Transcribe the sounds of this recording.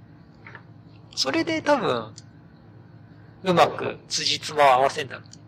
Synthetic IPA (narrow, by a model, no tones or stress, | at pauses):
so̞ɾe̞d̪e̞t̪abɯ̟̃ɴ | ɯ̟makɯ̟̰t͡sɨʑit͡sɨmaaβasẽ̞nd̪ao